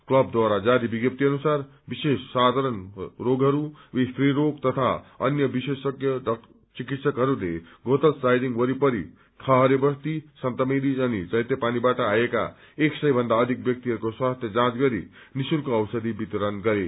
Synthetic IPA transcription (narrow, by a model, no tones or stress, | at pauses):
klʌb̚d̪waɾad͡zaɾibiɡjʌp̚t̪iʌnusar | bisesːad̪ʱaɾʌnroɡɦʌɾuit̪riɾoɡt̪ʌt̪ʰaʌnjʌbisesʌkjʌɖʌ | t͡sikit̪sʌkɦʌɾulḛɡot̪ʌlsajɖiŋɡbʌɾipʌɾḭ | t̪ʰʌɦʌɾebʌst̪isʌnt̪ʌmed̪id͡zʌnid͡zʌjt̪ʌpanibaʈʌajeka̰ | eksʌjbʱʌnd̪aʌd̪ʱik̚bjʌk̚t̪iɦʌɾukoswast̪ʰjʌd͡zãd͡zɡʌɾḭ | nisulkoʌwsʌd̪ʱibit̪ɾʌnɡʌɾe